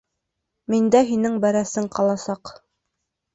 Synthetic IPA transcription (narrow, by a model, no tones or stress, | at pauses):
mind̪æɦinɘŋbæɾæsɘŋqɑlˠɑsɑq